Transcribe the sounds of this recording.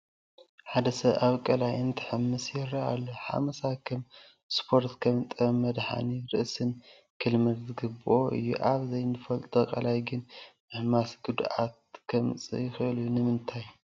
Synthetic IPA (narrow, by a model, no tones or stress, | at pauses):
ħad̪ɐsɐβaβkʼɐlajɨnt̪ʰɨ̥ħɨmːɨsjɪɾɐa̰lːoħa̰mɐsakʰɨm | spʰo̞ɾt̪kʰɐmt̪ʼɐmːɐd̪ħa̰niɾɨʔsɨn | kʰɨlmɐlzɨɡɨbɨʔo̞ʔɨ̰jːṵʔaβzɐjnɨfɐlt̪ʼɨkʼɐlajɡɨnmɨħmasɡud̪ʔat̪̚kʰɐmt͡sʼɨ̰jɪxɨʔɨljunɨmɨnt̪ʰaj